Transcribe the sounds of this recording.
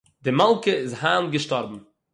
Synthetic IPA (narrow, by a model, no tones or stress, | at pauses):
dɪmalˠkəɪzhaːnɡəʃtɔɾbm̩